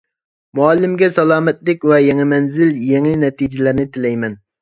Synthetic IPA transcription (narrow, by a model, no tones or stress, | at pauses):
muɑlːɪmɡʲɛsɑlˠɑːmɛt̪lɪkʲwɛjɛŋɨmɛnzɪljeŋɨnɛt̪id͡ʒɪlæɾnɪt̪ʰɪlɛjmɛn